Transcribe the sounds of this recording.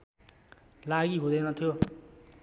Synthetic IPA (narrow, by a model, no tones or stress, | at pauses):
laɡiɦud̪ʌjnʌt̪ʰjo